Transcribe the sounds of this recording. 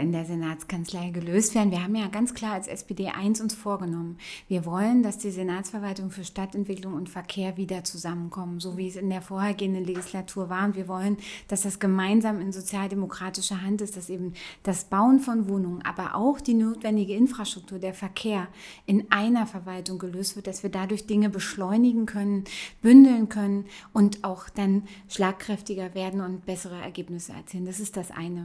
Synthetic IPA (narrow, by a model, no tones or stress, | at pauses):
ɪndeːɐzenaːt͡skant͡slaɪɡəløːstv̥eːɐdn̩viːɐɦaːbm̩jaːɡant͡skl̥aːɐalsʔɛ̰spedeːʔa̰ɪnsʊnsfoːɐɡənɔmənviːɐvɔləndasd̥iːzenaːt͡sfɛɐvaltʊŋfyːɐʃtatɛntv̥ɪklʊŋʊntfɛɐkʰeːɐviːdɐt͡suzamənkʰɔmənzoːviːɛsɪndeːɐfoːɐheːɐɡeːəndənleɡislatʰuːɐvaːɐʊntv̥iːɐvɔlənd̥asd̥asɡ̥əmaɪnzaːmɪnzot͡sjaːldemokʁ̥aːtɪʃɐɦantɪstd̥asʔeːbm̩d̥asb̥aʊənfɔnvoːnʊŋənʔa̰ːbɐʔa̰ʊxd̥iːnoːtv̥ɛndɪɡəɪnfʁ̥aʃtʁ̥ʊk̚tʰuːɐdeːɐfɛɐkʰeːɐʔɪnʔaɪnɐfɛɐvaltʊŋɡəløːstv̥ɪɐtd̥asv̥iːɐdadʊɐçd̥ɪŋəbəʃlɔʏnɪɡŋ̩kʰœnənb̥ʏndl̩nkʰœnənʔʊntaʊxd̥anʃlaːkʁ̥ɛftɪɡɐveːɐdn̩ʊnt̚b̥ɛsəʁəɛ̰ɐɡeːpnɪsəɛ̰ɐt͡siːləndasɪstd̥asʔa̰ɪnə